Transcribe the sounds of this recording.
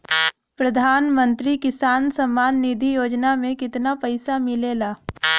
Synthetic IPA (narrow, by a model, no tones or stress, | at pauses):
pɾɐd̪ʱaːnmə̃nt̪ɾikɪsaːnsɐmːaːnːid̪ʱijoːd͡ʒnamẽkɪt̪napɐɪsamɪleːlaː